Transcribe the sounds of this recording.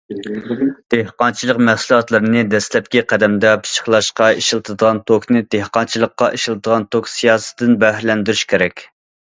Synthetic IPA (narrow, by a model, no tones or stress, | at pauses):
d̪̥ehqɑnt͡ʃʰilˠəqmæhsulˠɑt̪lˠɨɾɨnɨd̪ɛslɛp̚kʲiqʰæd̪ɛmd̪ɛpʰɨ̥ʃə̥χlˠɑʃqɑiʃilˠt̪ʰɨd̪əʁɑnt̪ʰoknɨd̪ehqɑnt͡ʃʰilˠəqːɑʔiʃilˠɨd̪əʁɑnt̪ʰoksijɑːsɨ̥d̪ɨnbɛhɾlɛnd̪yɾyʃkʲʰeɾɛkʲ